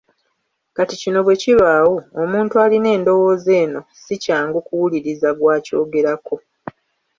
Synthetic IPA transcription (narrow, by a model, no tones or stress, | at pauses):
katicino̞βwe̞ciβaːwoomuːntualine̞ːndo̞wo̞ːze̞ːno̞sicaːŋɡukuwuliɾizaɡwaːco̞ːɡe̞ɾako̞